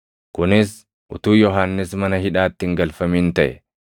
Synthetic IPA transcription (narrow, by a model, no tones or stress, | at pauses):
kʊnɪs | ʔʊt̪uːjɔɦanːɪsmɐnɐhɪᶑaːt̪ːɪŋɡɐlfɐmiːnt̪ɐʔɛ